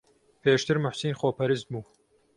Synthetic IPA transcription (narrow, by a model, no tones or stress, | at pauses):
pʰeːʃt̪ʰɨɾmʊħsinxoːpʰɐɾɨst̪̚buː